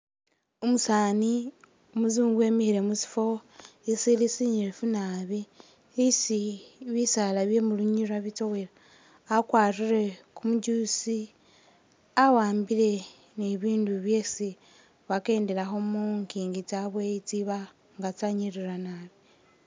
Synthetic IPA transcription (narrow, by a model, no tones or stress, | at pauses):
omusaːni | omuzuːŋɡwe̞mihiɾe̞musi̥fo̞esilisiɲiɾefunaβi | isiβisalaβje̞muluɲiɾaβito̞welaː | kwaːrire̞kumuɟusi | awaːmbile̞ | niβiːnduβjeːsi | βake̞ːndelaxo̞muŋkiːŋɡit͡saβweit͡siβa | ŋɡat͡saɲiɾiɾanaːβi